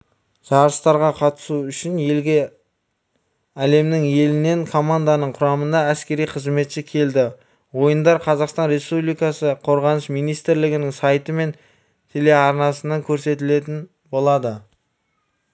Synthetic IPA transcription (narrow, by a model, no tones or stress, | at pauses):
ʒ̥ɑɾəst̪ɑɾʁɑqʰɑt̪ə̥suʏʃɪnje̞lɡʲe̞ | æle̞mnɪŋje̞lɪne̞ŋkʰo̞mand̪anəɴqʰʊɾɑmənd̪ɑæskʲe̞ɾijqʰəzme̞t̪ʃɪkʲʰe̞ld̪ɪ | wo̞jənd̪ɑɾqʰɑzɑqst̪ɑnɾe̞spublijkɑsəqʰo̞ɾʁɑnəʃmijnijst̪ɾlɪɡʲɪnɪŋsɑjt̪əme̞n | t̪ʰele̞ɑɾnɑsənɑŋkʲʰɵɾse̞t̪ɪle̞t̪ɪn | bo̞lˠɑd̪ə